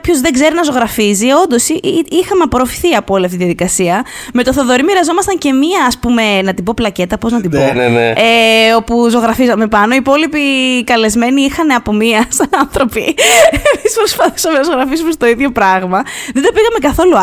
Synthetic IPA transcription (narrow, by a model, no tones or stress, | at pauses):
pço̞zðeɡze̞ɾinɐzo̞ɣɾɐfizio̞nd̪o̞siixɐmeɐpoɾofi̥θiɐpooliɐft̪iðiɐðikɐsiɐ | me̞t̪oθoðo̞ɾimiɾɐzo̞mɐst̪ɐɲce̞miɐːspume̞nɐt̪ibo̞plɐce̞t̪ɐpo̞znɐt̪ioneo̞puzo̞ɣɾɐfizɐme̞pɐno̞ipo̞lipikɐle̞zme̞niixɐneɐpomiɐsɐnɐnθɾo̞pḭemispɾospɐθi̥sɐmenɐzo̞ɣɾɐfisumest̪o̞iðʝo̞pɾɐɣmɐðed̪opiɣɐme̞kɐθo̞lu